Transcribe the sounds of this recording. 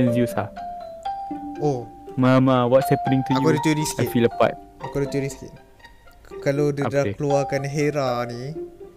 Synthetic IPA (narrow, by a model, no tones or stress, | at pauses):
ə̃nsjusa | omamawɔtsɛpənĩŋtuakjukadit̪uɾist̪aifiləpa̰t̚akodit̪uɾist̪ik̚ | kalodədahkəluakanɦeɾani